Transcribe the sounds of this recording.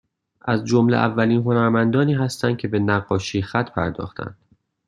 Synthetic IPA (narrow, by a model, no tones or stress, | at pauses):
ʔæzd͡ʒo̞mlḛʔævːæliːnɦo̞næɾmænd̪ɒːniːɦæst̪ænd̪̥̚cʰe̞be̞næɡːɒːʃiːxæt̪ʰpʰæɾd̪ɒ̰ːxt̪ʰæ̰nd̪̥